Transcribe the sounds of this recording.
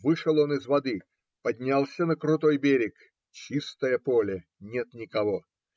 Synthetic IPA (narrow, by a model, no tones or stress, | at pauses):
vɨʂəlˠo̞nɨzvɐd̪ɨ | pɐdʲnʲalˠsʲənəkɾʊt̪o̞jbʲeɾʲɪk | t͡ɕist̪əjəpolʲɪ | nʲet̪nʲɪkɐvo